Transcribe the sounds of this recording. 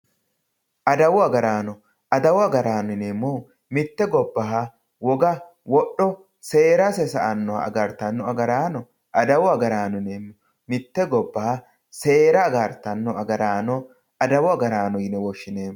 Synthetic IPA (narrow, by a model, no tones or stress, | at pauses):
ʔɐd̪ɐwɔɐɡɐɾaːnɔ | ɐd̪ɐwɔɐɡɐɾaːnɔneːmːɔ | mɪt̪ːɛɡɔbːɐɦa | wɔɡɐ | wɔɗɔ | seːɾɐsɛsɐʔɐnːɔ̰ɐ̰ɡɐɾt̪ɐnːɔɐɡɐɾaːnɔ | ʔɐd̪ɐwɔɐɡɐɾaːnɔneːmːɔ | mɪt̪ːɛɡɔbːɐha | se̞ːɾɐːɡɐɾt̪ːɐnːɔɐɡɐɾaːnɔ | ɐd̪ɐwʊɐɡɐɾaːnɔjɪnɛwɔʃːɪneːmː